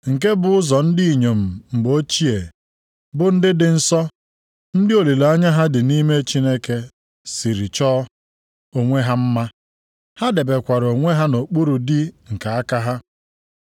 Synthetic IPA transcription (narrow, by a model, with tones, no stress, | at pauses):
ŋ̩˨k̬e˦bʊ˨ʊ˦zɔ˨n̩˦di˦i˨ɲo˨m̩˨m̩˨ɡ͡bo˦t͡ʃi˦e˨ | bʊ˨n̩˦dɪ˦dɪ˨n̩˦sɔ˦ | n̩˦dɪ˦o˨li˨la˦ɲa˦ɦa˦dɪ˨ni˦me˦t͡ʃi˦ne˦ke˦ | si˨ɾi˨t͡ʃɔː˦ | o˦ŋʷe˦ɦa˦m̩˦ma˦ | ha˦de˨be˨kʷa˨ɾo˨ŋʷe˦ɦa˦no˨k͡pu˦ɾu˨di˦ŋ̩˨ka˨a˦ka˦ɦa˦